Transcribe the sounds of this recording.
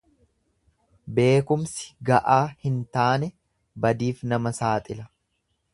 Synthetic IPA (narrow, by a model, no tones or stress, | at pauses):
be̞ːkʊmsɪ̥ɡɐʔaːhɪnt̪aːnɛ | bɐd̪iːfnɐmɐsaːt̪ʼɪlɐ